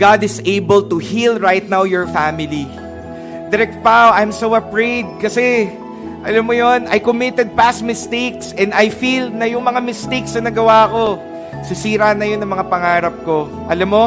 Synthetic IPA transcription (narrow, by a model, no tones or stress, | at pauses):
ɡ̥ad̪ɪsʔejbɐlt̪uhilɹajt̪̚nawjɔɹfamɪli | d̪ɛɾɛk̚t̪̚pawʔajmsowɐpɹejd̪̚kɐsɛ | ʔɐlamːojonʔɐ̰jkʊmɪt̪ɛd̪̚pasmɪst̪ejksɛnd̪ɐjfilnɐjʊŋmɐŋamɪst̪eksɐnɐɡɐwaɐko̞ | sɪsiːɾanɐjonːɐŋmɐŋapɐŋaːɾɐp̚ko̞ | ʔɐlamːo